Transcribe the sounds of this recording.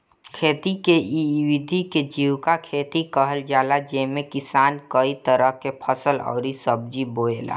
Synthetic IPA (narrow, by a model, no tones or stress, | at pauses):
kʰeːt̪ikeiwɪd̪ʱiked͡ʒiːwkakʰeːt̪ikəɦəld͡ʒaːlad͡ʒeːmẽkɪsaːnkəit̪əɾəɦkepʰəsəlɔ̰ːɾisəb̚d͡ʒiboːeːla̰ː